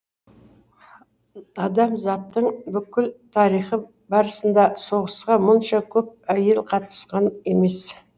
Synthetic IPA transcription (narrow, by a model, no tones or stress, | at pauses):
ɑd̪ɑmzɑt̪ːəɴbʏkʲɪlt̪ʰɑɾijχə | bɑɾəsənd̪ɑso̞ʁəsqɑmʊnʃɑkʲʰɵp̚æjelˠqʰɑt̪ə̥sqɑneme̞s